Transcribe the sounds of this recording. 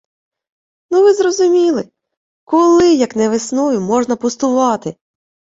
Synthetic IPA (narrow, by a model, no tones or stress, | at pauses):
nuʋɪzɾɔzʊmʲilˠɪ | kɔlˠɪjɐknɛʋɪsnɔʋʲimɔʒnɐpʊst̪ʊʋɑt̪ɪ